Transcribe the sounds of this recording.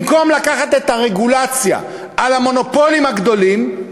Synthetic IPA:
ko̞mlakaχat̪e̞t̪aʁeɡulat͡sja̰ | ʔalamo̞no̞po̞limhaɡd̪o̞lim

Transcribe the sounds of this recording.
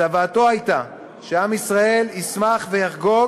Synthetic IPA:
avaːto̞ajta | ʃeamisʁae̞lismaχve̞jaχɡo̞

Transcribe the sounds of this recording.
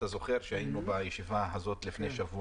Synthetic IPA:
azo̞χe̞ʁʃeainubajeʃivaɦazo̞t̪lifne̞jʃavu

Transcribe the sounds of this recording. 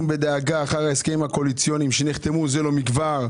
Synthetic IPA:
mbe̞d̪eaɡaːχaʁaeskejimhakolit͡sjonimʃeniχt̪emuzelomiɡvaʁ

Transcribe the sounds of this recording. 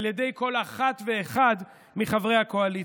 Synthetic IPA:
ljed̪e̞jko̞laχat̪ve̞ːχad̪ | miχavʁe̞jhako̞ali

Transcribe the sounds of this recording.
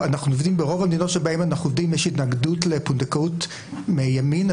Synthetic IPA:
anaχnunovd̪imbeʁo̞vamd̪inotʃelbaemanaχnuovd̪imjeʃitnaɡdutlepundekaut | mejamin

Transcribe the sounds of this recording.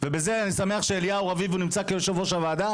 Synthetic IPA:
vebeze̞anisame̞aχʃeːlijauʁavivunimt͡sakejoʃevoʃavaːd̪a

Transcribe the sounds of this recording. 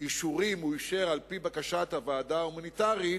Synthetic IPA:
iʃuʁimuiʃeʁalpibakaʃat̪havaːdaumanit̪aʁi

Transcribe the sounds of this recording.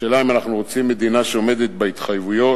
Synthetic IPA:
elaimanaχnuʁot͡simːe̞d̪inaʃeome̞d̪et̪̚beit̪χajvujo̞

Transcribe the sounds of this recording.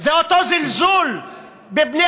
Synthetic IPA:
zeʔot̪ozɪlzuːl | bɪbni

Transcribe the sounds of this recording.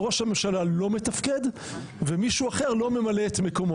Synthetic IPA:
ʁo̞ʃhame̞mʃalalo̞me̞t̪afke̞d̪ | vemiʃuaχeʁlo̞memaleːt̪me̞ko̞mo

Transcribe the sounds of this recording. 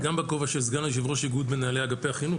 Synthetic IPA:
ɡambakovaʃezɡaneʃ̬ivʁoʃiɡud̪menaːleaɡapehaχinu

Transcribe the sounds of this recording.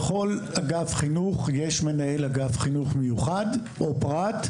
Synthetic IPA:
χo̞laɡafχinuχjeʃmenaelhaɡafχinuχmejuχad | ʔopʁat̪

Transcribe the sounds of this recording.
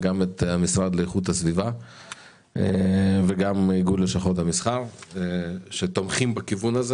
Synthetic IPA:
ɡamet̪hamisʁad̪lejeχut̪hasviva | eveɡamiɡudleʃaχot̪amisχaʁ | ʃet̪omχimbakivunaze

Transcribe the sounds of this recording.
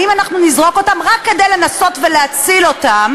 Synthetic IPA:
imanaχnunizʁo̞ko̞tamʁakːe̞dejle̞naso̞tveleat͡silo̞tam

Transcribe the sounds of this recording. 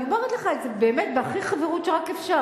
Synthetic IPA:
omeʁet̪leχaetzebeːmet̚beaχiχaveʁutʃeʁakefʃa

